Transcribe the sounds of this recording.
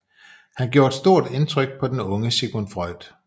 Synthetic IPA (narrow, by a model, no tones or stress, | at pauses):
hænɡ̥jo̝ɐ̰d̥sd̥o̝ɐ̰d̥e̝nt͡sʰʁœɡ̥̚pʰɒ̽d̥enɔ̽ŋəsekʰɔnfʁɒ̽ɪ̰d̥